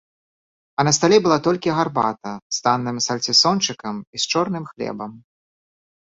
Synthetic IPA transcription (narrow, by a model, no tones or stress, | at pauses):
ɐnɐst̪alʲɛbɨlˠat̪ɔlʲkʲiɣarba̰t̪ɐst̪anːɨmsɐlʲt͡sʲisɔnt͡ʂɨkɐmist͡ʂɔrnɨmxlʲɛ̰bɐm